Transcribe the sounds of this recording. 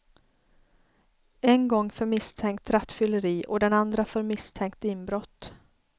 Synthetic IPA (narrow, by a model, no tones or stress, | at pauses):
ɛnɡɔŋːfœɾmɪst̪ʰɛŋk̚t̪ɾat̪ːfʏlːəɾiːʔɔd̪ɛnand̪ɾafœɾmɪst̪ʰɛŋk̚t̪ɪnbɾɔt̪ː